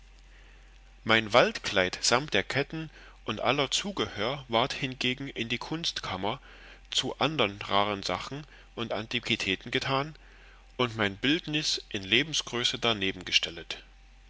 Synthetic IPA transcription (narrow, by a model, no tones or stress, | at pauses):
maɪnvaltkl̥aɪtz̥amtd̥eːɐkʰɛtn̩ | ʔʊntʔa̰lɐt͡suːɡəhøːɐvaɐthɪnɡeːɡŋ̩ʔɪndiːkʰʊnstkʰamɐ | t͡suʔandɐnʁaːʁənzaχn̩ | ʔʊntʔa̰ntʰikʰitʰɛːtn̩ɡətʰaːn | ʔʊntmaɪnbɪltnɪsʔɪnleːbm̩sɡ̥ʁøːsədaneːbm̩ɡəʃtʰɛlət